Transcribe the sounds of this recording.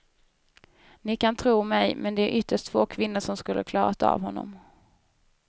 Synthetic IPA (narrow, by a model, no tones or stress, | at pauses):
nɪkant̪ʰɾuːmɛjmʔɛnd̪ɛæɾʔʏt̪ʰːəʂʈtfoːkʰvɪn̪ːəʂɔmskɵlːʔə̰ɾkʰlɑːɾat̪a̰vɦɔnːɔ̰m